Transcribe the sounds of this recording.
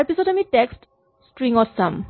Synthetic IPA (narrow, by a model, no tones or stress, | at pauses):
pisodamiʈeksʈ | sʈɹiŋɔsam